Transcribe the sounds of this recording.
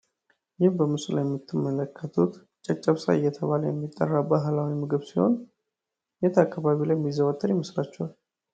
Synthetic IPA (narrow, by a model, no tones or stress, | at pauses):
jɪmbəmɨsula̰jɛmːit̪ʰːɨmːələkʰːət̪ʰut̪ | t͡ʃʼət͡ʃʼːəβsa̰ɨjːɛt̪ʰəβaləjɛmːit̪ʼːə̰rːabaɦlawimɨɡɨβsiho̞̰n | jet̪ʰakːaβaβilajɛmːizəwət̪ʰʼːəɾjɛməsɾat͡ʃːɛwal